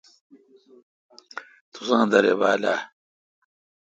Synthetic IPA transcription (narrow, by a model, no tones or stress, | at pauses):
t̪ʰusãːd̪ɐɾḛbaːla̰ː